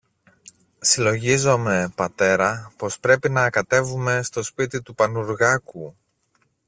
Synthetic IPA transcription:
silo̞ʝizo̞me̞pɐt̪e̞ɾɐpo̞spɾe̞pinɐːkɐt̪e̞vume̞st̪o̞spit̪it̪upɐnuɾɣɐku

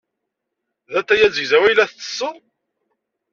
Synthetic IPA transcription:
ðæt̪ːæjæzəɡzæwæjlæθt͡sːə̥sˤːəˤ

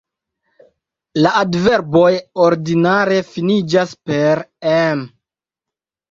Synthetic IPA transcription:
laʔadve̞ɾbo̞joɾdinaɾe̞finid͡ʒaspe̞ɾem

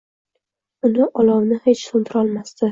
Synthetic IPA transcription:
ʊnɪʔɒlɒwnɪhet͡ʃsʊnt̪ʰɪɾɒlˠmast̪ɪ

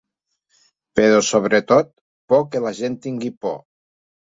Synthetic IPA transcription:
peɾosoβ̞ɾet̪ot̪̚ | pɔkelaʒent̪iŋɡipɔ̰

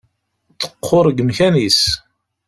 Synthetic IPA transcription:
t͡sːə̥qʰːoɾˤɡəmçænis

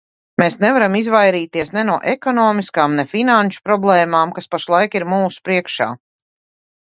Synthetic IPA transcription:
meːsnɛvaɾamizvajɾiːt̪iɛsnɛnuɔʔɛkɔnɔːmiskaːmnɛfinanʃu̥pɾɔblˠɛːmaːmkaspaʃlˠajkiɾmuːsu̥pɾiɛkʃa̰ː

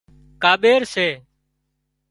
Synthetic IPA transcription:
kaːɓeːɾseː

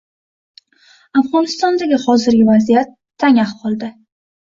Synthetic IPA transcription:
afʁɒnɪst̪ɒnd̪aɡʲɪhɒzɪɾɡʲɪvazijat̪ʰːaŋahqʰɒlˠd̪ɪ

